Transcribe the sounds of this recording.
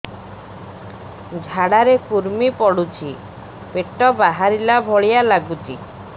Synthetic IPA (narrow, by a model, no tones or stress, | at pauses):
d͡ʒʱaɽaɾekuɾmipɔɽut͡ʃʰi | peʈɔbaɦaɾilabʱɔɭijalaɡut͡ʃʰi